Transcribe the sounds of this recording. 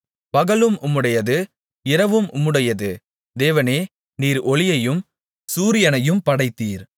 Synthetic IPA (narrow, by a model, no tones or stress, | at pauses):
pɐɣɐɭɯmʔʊmːɯɽɐjɐðɯ | ɪɾɐʋɯmʔʊmːɯɽɐjɐðɯ | d̪eːʋɐneː | niːɾɔɭɪjɐjɯm | suːɾɪjɐnɐjɯmpɐɽɐɪt̪ːiːɾ